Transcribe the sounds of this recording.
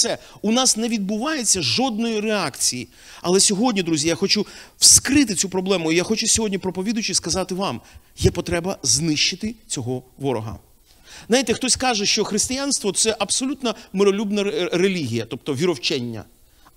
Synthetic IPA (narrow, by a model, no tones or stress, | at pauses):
sɛ | unɑsnɛʋʲid̪̚bʊʋɑjet͡sʲːɐʒɔd̪̚nɔjireakt͡sʲiji | ɐ̰lˠɛsʲɔɦɔdʲnʲid̪ɾuzʲijaxɔt͡ʃuw̥skɾɪt̪̬ɪt͡sʲupɾɔblˠɛmʊijaxɔt͡ʃʊsʲɔɦɔdʲnʲipɾɔpɔʋʲid̪ʊjt͡ʃiskɐzɑt̪ɪʋɑm | jɛpɔt̪ɾɛbɐznɪʃt͡ʃːɪt̪ɪt͡sʲɔɦɔʋɔɾɔɦɐ̰ | ajt̪ɛxt̪ɔsʲkɑʒɛʃt͡ʃɔxɾɪst̪ɪjanst̪ʋɔt̪sɛʔɐbsɔlʲut̪nɐmɪɾɔlʲubnɐɾelʲiɦʲijɐt̪ɔp̚t̪ɔʋʲiɾɔwt͡ʃɛnʲːɐ̰